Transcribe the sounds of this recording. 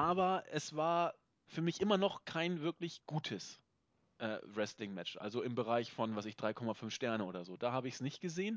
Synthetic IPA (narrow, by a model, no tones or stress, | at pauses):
ʔaːbɐʔɛsv̥aːɐ | fyːɐmɪçʔɪmɐnɔχkʰaɪnvɪɐklɪçɡ̥uːtʰəs | ʔɛ̰ːʁɛstlɪŋmɛt͡ʃʔa̰lzoɪmbəʁaɪçfɔnvasɪçd̥ʁaɪkʰɔmafʏnfʃtɛɐnəʔoːdɐzoːdaːhaːbəɪçsnɪçtɡ̥əzeːən